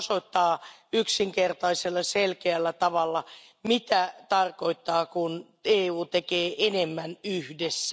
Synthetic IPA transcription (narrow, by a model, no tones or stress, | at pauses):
soit̪ːɑː | yksiŋkert̪ɑiselːɑselkeælːæt̪ɑʋɑlːɑ | mit̪æt̪ɑrkoit̪ːɑːkun | eːuːt̪ekeːʔenemːænyhdesː